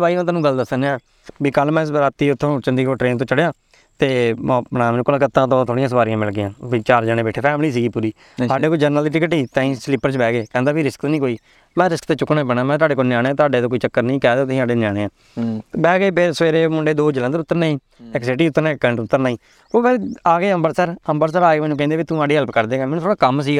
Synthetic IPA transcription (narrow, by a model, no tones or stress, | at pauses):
baːiːãːt̪̬aːnũːɡəld̪əsənːaː | biːkəlmɛ̃ːɾaːt̪iːʊt̪ʰːõːt͡ʃənd̪iːkoːʈɾeːnt̪̬õːt͡ʃəɽejãː | t̪eːmɔːpənãːmnkəlãːkət̪ːãːt̪̬õːt̪ʰoːɽĩjãːsəbaːɾɪjãːmɪlɡɪãːʋit͡ʃaːɾd͡ʒaːneːbɛːʈʰeːpʰɛːmliːs̬iːɡiːpuːɾiː | saːɖeːkoːiːd͡ʒəɾnəld̪iːʈɪkəʈiːt̪ãːĩːsliːpːəɾt͡ʃbɛːɡeːkɛ̃ːnd̪aːbiːɾɪskt̪nĩːkoːiː | mɛ̃ːɾɪskt̪eːt͡ʃʊkːnẽːbənaːmɛ̃ːt̪ʊaːɖeːkonjaːñːt̪ʊaːɖeːt̪õːkoːiːt͡ʃəkːəɾnəĩːkɛːd̪oːt̪ːĩːaːɖeːnaːɽeːãː | bɛːɡeːpɪsʋeːɾeːmʊɳɖeːd̪oːd͡ʒəlɛ̃nd̪əɾʊt̪ːəɾnaːĩː | ɪksɪʈiːʊt̪ːəɾnãːkːɛ̃ːɳʈʊt̪ːəɾnaːĩː | oːbeaːɡeːəmbəɾsəɾəmbəɾsəɾaːɡeːmɛːnũkɛ̃ːnd̪eːbiːt̪ũːaːɖeːɦəlpkəɾd̪eːɡaːmɛːnũt̪ʰoːɽaːkəmsiːɡaː